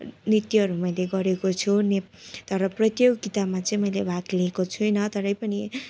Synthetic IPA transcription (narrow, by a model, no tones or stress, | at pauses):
nrit̪iɦʌɾumʌjleɡʌɾekot͡sʰune | t̪ʌɾʌprʌt̪joɡɡit̪amat͡sʌĩmʌjlebʱaklikot͡sʰujnʌt̪ʌɾʌjpʌni